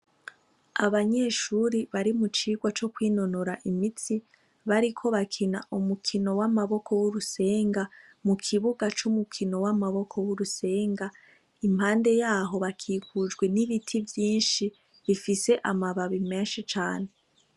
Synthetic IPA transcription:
aβaɲe̞ʃuɾiβaɾimut͡ʃiːɡwat͡ʃo̞kwiːno̞noɾaʔimit͡si | βaɾikʰo̞βakʰinaʔumukʰino̞wamaβo̞kʰo̞wuɾuse̞ːŋɡa | mukʰiβuɡat͡ʃumukʰino̞wamaβo̞kʰo̞wuɾuse̞ːŋɡa | imhaːnde̞jaːɦo̞βakʰiːkud͡ʒɡwe̞niβitʰivjiːnʃi | βifise̞ʔamaβaβimeːnʃit͡ʃaːne̞

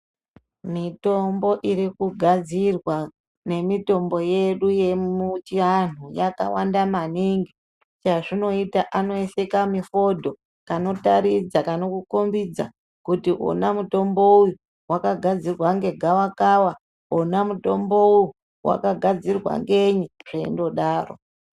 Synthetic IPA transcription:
mito̞mbo̞ʔiɾikuɡʱad͡zirwa | ne̞mito̞mbo̞je̞ɗuje̞ut͡ʃianujaka̰wandamaniŋɡi | t͡ʃaʐino̞itaʔano̞ese̞kamifo̞dʱo̞ | kano̞taɾid͡zakano̞kukombid͡za̰ | kutio̰namuto̞mbo̞uju | wʔa̰kaɡʱad͡zirwaŋɡe̞ɡʱawakawa | onamuto̞mbo̞uju | wʔa̰kaɡʱad͡zirwa̰ŋɡe̞ɲiʐ̥eḭndo̞ɗaːro̰

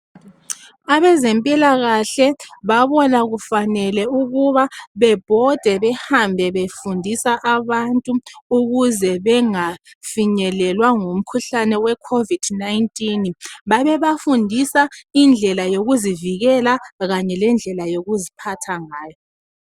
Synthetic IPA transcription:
aβɛzɛmpʼilaɣaɬɛβaβɔnaɣufanɛlɛuɣuβaβɛb̥ʱɔd̥ʱɛβɛhambʱɛβefundʱisaʔaβantʼuuɣuzɛβɛŋa | fiɲɛlɛlwaŋum̩kʰuɬanɛwɛkʰovid̥najntʼinβaβɛβafundʱisaind͡ɮʱɛlajoɣuziviɣɛlaɣaɲɛlɛnd͡ɮʱɛlajoɣuzipʰatʰaŋaːjɔ

